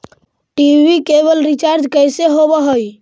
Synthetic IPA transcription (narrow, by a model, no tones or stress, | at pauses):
ʈibikebəlɾit͡ʃaɾd͡ʒkəjseɦobəɦəj